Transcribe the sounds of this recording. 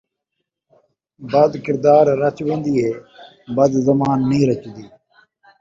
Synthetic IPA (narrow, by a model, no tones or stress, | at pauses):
bəd̪kɪɾd̪aːɾːət͡ʃʋẽːnd̪iːɦeː | bəd̪zəmaːnːĩːɾət͡ʃd̪iː